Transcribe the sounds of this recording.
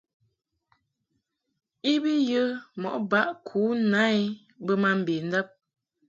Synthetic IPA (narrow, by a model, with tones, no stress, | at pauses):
i˦bi˦jə˦mɔ̰˨ʔba˦ʔkʰuː˨˦na˦i˦ | bə˦ma˦m̩˨be˨n̩˦da˦p̚